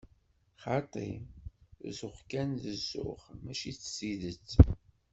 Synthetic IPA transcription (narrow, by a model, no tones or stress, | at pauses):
χɑt̪ˤḭ | zʊχkænðəzːʊ̰χmæʃit͡sːsiðət͡sː